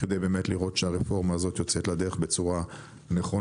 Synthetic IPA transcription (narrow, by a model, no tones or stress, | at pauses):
ked̪ejbe̞ːmetliʁo̞tʃeaʁefo̞ʁmaːzo̞t̪jo̞t͡set̪lad̪e̞ʁeχbe̞t͡suʁa | neχo